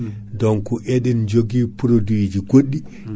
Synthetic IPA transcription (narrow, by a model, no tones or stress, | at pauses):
dɔŋkuʔɛɗɛnd͡ʒoɡiːpuɾoduwid͡ʒiɡoɗːi